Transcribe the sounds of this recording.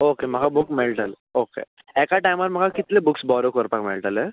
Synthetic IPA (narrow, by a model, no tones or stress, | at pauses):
okem̤əɡʱabukmelʈəl | okḛ | ɛkaʈajməɾm̤əɡakit̪lebuksbɔɾokəɾpakmḛɭʈəlɦɛ